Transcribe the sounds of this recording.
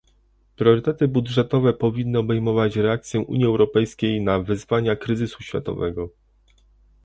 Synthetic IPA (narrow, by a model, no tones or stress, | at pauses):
pɾʲjɔɾɘt̪ɛt̪ɘbudʐɛt̪ɔvɛpɔvʲinːɘɔbɛjmɔvat͡ɕɾɛakt̪sʲjɛʔṵɲjiɛwɾɔpɛjskʲejnavɘzvaɲakɾɘzɘsuɕfʲja̰t̪ɔ̰vɛɡɔ